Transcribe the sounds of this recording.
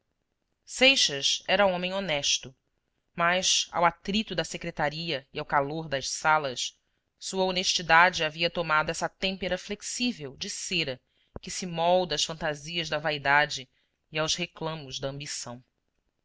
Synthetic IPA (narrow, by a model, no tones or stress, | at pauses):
sejʃɐsɛɾɐõmẽj̃onɛʃt̪ʊ | mɐʃa̰wat̪ɾit̪ʊd̪ɐsekɾet̪aɾiɐiawkaloɾd̪ɐʃsalɐs | suɐoneʃt͡ʃid̪ad͡ʒɪaviɐt̪omad̪ʊɛsɐt̪ẽmpeɾɐfleksivewd͡ʒɪseɾɐ | kɪsɪmɔwd̪ɐʃfɐ̃nt̪aziɐzd̪ɐvaid̪ad͡ʒɪː | awzheklɐ̃mʊzd̪ɐɐ̃mbisɐ̃w̃